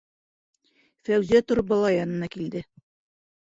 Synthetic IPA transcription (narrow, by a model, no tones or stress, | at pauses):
fæwzæt̪ŏɾ̚bɒlˠɑjɑnɤ̆nɑkild̪ɘ